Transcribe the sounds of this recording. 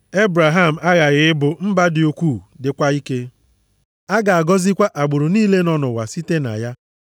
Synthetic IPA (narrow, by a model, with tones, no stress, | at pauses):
e˦bɾa˨ɦa˦m̩˨a˦ɣa˨ɣɪ˨˦bʊ˨m̩˦ba˦dɪ˨o˨kʷuː˦˨dɪ˨kʷa˦i˦ke˦ | a˦ɡa˨a˨ɡɔ˦zi˦kʷa˦ʔa˨ɡ͡bʊ˨ɾʊ˨niː˦le˦nɔ˦nʊ˨wa˨si˦te˦na̰˨ja˦